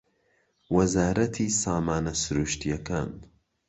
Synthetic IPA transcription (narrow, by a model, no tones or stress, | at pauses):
wɐzaːɾɐt̪ʰiːsaːmaːnɐsɨɾuːʃt̪ijɐkaːn